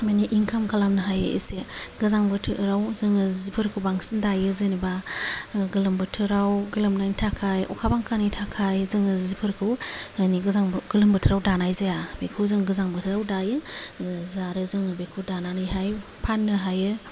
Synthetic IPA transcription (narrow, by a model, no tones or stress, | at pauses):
maniʔiŋkʰamkʰalamnɯɦajɯḭseɡɯzaŋbɯtʰɯɾawzɯŋɯzipʰɯɾkʰɯwbaŋsindajɯzɯniba | ɡɯlɯmbɯtʰɯɾawɡɯlɯmnajntʰakʰajʔɔkʰabaŋkʰanijtʰakʰajzɯŋɯzipʰɯɾkʰɯwaniɡɯzaŋɡɯlɯmbɯtʰɯɾawdanajzajabekʰɯwzɯŋɡɯzaŋbɯtʰɯɾawdajɯ | zaɾɯzɯŋbekʰɯwdananɯjɦaj | pʰanːɯɦajɯ